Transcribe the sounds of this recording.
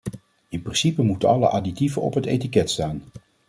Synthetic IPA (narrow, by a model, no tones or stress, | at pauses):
ɪnprɪnsipəmutənɑlə̰ʔaditivəɔ̰pɦətejtikɛtstaːn